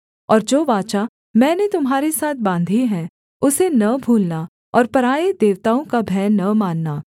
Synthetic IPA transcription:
ɔːɾd͡ʒoːʋaːt͡ʃa | mɛ̃ːnet̪ʊmɦaːɾesaːt̪̚ʰbãːnd̪ʱiɦɛ̃ | ʊsenɐbʱuːlna | ɔːɾpɐɾaːed̪eːʋt̪aːõkabʱɛːnːɐmaːnːaː

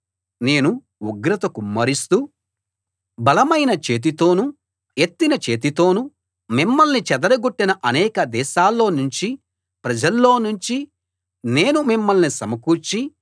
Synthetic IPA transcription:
ne̞ːnu | uɡɾɐt̪ɐkumːɐɾist̪u | bɐlɐmɐjnɐt͡ʃe̞ːt̪̬it̪o̞ːnu | e̞t̪ːinɐt͡ʃe̞ːt̪̬it̪o̞ːnu | mimːɐlnit͡ʃɛd̪ɐɾɐɡoʈːinɐʔɐnɛːkɐd̪ɛːʃaːlːo̞ːnuɲt͡ʃi | pɾɐd͡ʒɐlːo̞ːnuɲt͡ʃi | ne̞ːnumimːɐlnisɐmɐkuːɾt͡ʃi

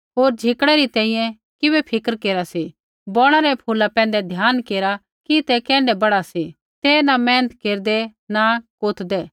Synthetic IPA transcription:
ɦoːɾd͡ʒʱɪkɽ̃ɛɾit̪ɛ̃ːĩjɛ̃ | kɪβɛpʰɪkəɾkeːɾasi | bɔːɽ̃aɾɛpʰoːlapɛ̃ːn̆d̪ɛd̪ʱjaːnkeːɾa | kit̪ɛkɛ̃ːɳɖɛbɐɽasi | t̪eːnamɛ̃ːnət̪keːɾd̪ɛnakoːt̪ʰd̪ɛː

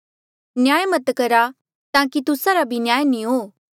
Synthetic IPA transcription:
njaːjmɐt̪kɐɾa | t̪ãːkit̪ʊsaɾabʱinjaːjnĩɦoː

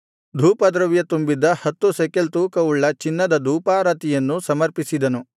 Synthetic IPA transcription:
d̪ʱuːpɐd̪ɾɐʋjɐt̪umbid̪ɐhɐt̪ːusekelt̪uːkɐuɭːɐt͡ʃinːɐd̪ɐd̪ʱuːpaːɾɐt̪ijɐnːusɐmɐɾpisid̪ɐnu

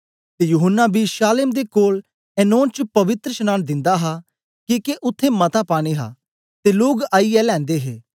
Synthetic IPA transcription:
t̪eːjuɦənːabʱiʃaːlɪmd̪ekoːl | ɛːnõːnt͡ʃəpɐʋɪt̪ɾəʃənaːnd̪ɪ̃nd̪aɦa | kiːkeʔʊt̪ʰːẽmɐt̪apaːɽ̃iɦa̰ː | t̪eloːɡaːiɛlɛ̃ːnd̪eːɦeː

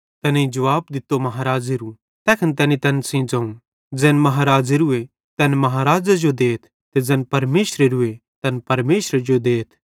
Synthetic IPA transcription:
t̪ɛneĩd͡ʒɐʋaːb̚d̪ɪt̪ːomɐɦaːɾaːd͡ʒeɾu | t̪ɛːkʰənt̪ɛːnit̪ɛːnsĩd͡ʒɐ̃ũ | d͡zɛːnmɐɦaːɾaːd͡ʒeɾʊe | t̪ɛːnmɐɦaːɾaːd͡ʒad͡ʒod̪eːt̪ʰ | t̪ed͡zɛːnpɐɾmeːʃɾeɾʊet̪ɐnpɐɾmeːʃɾed͡ʒod̪eːt̪ʰ

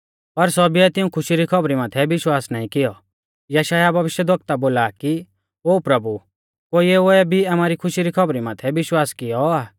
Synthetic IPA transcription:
pɐɾsɔbiɛt̪ɪũkʰʊʃiɾikʰɔbɾimaːt̪ʰɛbɪʃwaːsnaːĩkɪjɔ | jɐʃaːjabɐʋɪʃjəd̪ʋɐk̚t̪aboːlaki | oːpɾɐbu | koːiɛoɛbʱiamaːɾikʰʊʃiɾikʰɐbɾimãːt̪ʰɛbɪʃwaːskɪjɔaː

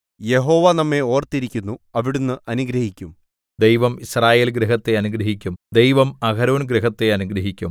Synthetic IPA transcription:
je̞ɦo̞ːʋɐnɐmːe̞o̞ːrt̪iɾikʲːunːuɐʋiɽunːɨʔɐnuɡɾɐhikʲːum | d̪ejʋɐmisraːje̞ːlɡɾeɦɐt̪ːe̞ɐnuɡɾɐɦikʲːumd̪ejʋɐmɐkɐɾoːnɡɾeɦɐt̪ːe̞ɐnuɡɾɐɦikʲːum

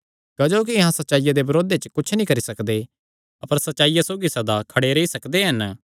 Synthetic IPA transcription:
kɐd͡ʒoːk̬iɐɦãsɐt̪ːʃaːijad̪ebɐɾoːd̪et͡ʃəkʊt͡ʃʰnĩkɐɾisɐkd̪e | ɐpəɾsɐt̪ːʃaːijasoːɡisɐd̪akʰɐɽeɾeisɐkd̪eɦɐn

